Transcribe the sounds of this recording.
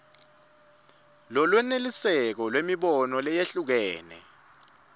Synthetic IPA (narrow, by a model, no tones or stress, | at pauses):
lɔlwɛnelisɛk̬ɔlwemiɓɔnɔlɛjeɬuk̬ɛːnɛ̰